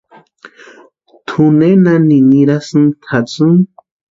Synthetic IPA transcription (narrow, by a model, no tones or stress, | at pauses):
t̪ʰunenaniniɾasɨnt̪ʰat͡sɨŋ